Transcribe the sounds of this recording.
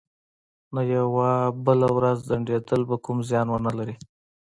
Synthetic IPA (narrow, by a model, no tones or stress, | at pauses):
najawabəlawɾazd̪aɳɖed̪əlbakumzjɑnwənalaɾi